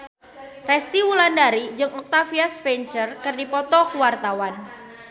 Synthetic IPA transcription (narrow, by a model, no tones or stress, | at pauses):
rɛst̪iwulandaɾid͡ʒɨŋɔk̚t̪afiasfɛnt͡ʃərkərdipɔt̪ɔkuwart̪awan